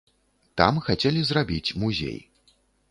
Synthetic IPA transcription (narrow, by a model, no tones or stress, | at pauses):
t̪a̰mxat͡sʲelʲizrabʲit͡sʲmuzʲḛj